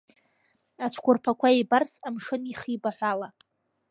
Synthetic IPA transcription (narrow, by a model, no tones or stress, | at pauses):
at͡ʃʷʰkʷʰʊrpʰakʷaebarsamʂɨniχibaħʷala